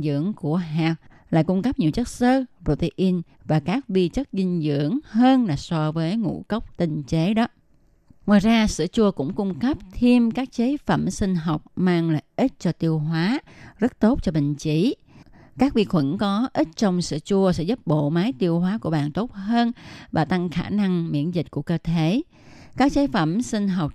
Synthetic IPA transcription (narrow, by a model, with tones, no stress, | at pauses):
zɨ̰˧˥əŋku˧˩əɦaː˨˩k̚ | laː˨˩kʊ˧ŋ͡mkə˦˥p̚ɲi˨˩əwt͡ɕə˦˥t̚səː˧˥pɾo˧˩t̪ə˧ʔi˧n | vaː˨˩kaː˦˥k̚ɓi˧t͡ɕə˦˥t̚zï˧ŋ̟zɨ̰˧˨əŋɦəː˧nlaː˨˩sɔ˧vəː˨˦jŋṵ˧˥kə˦˥wk͡p̚t̪ï˧ŋ̟t͡ɕe˨˦ɗɔ˨˦ | ŋwa̰ː˨jzaː˧sɨ̰˧˩ət͡ɕu˧əkʊ̰˧˥ŋ͡mkʊ˧ŋ͡mkə˦˥p̚t̪ʰi˧əmkaː˦˥k̚t͡ɕe˨˦fə̰˧˩msï˧ŋ̟ɦɔ˨˩wk͡p̚maː˧ŋla̰ː˨jʔi˦˥t̚t͡ɕɔ˧t̪i˧əwɦwaː˨˦zə˦˥t̚t̪o˦˥t̚t͡ɕɔ˧ɓï˨ŋ̟t͡ɕi˧˩ | kaː˦˥k̚ɓḭ˨˩ək̚xwə̰˧˩nkɔ˨˦ʔi˦˥t̚t͡ɕɔ˧wŋ͡msɨ̰˧˨t͡ɕu˧əsɛ̰˧˥zu˦˥p̚ɓo̰˧˨maː˨˦jt̪i˧əwɦwaː˨˦ku˧˩əɓa̰ː˨nt̪o˦˥t̚həː˧nvaː˨˩t̪a˧ŋxaː˧˩na˧ŋmḭ˧˥ənzi˨˩t̟̚ku˧˩əkəː˧t̪ʰe˧˦ | kaː˦˥k̚t͡ɕe˨˦fə˧˩msï˧ŋ̟ɦɔ˨˩wk͡p̚